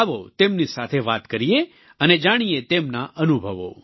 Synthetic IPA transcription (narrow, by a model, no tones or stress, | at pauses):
ʋot̪emnisat̪ʰeʋat̪kəɾije | əned͡ʒaɽ̃ijet̪emnaʔənubʱəʋo̰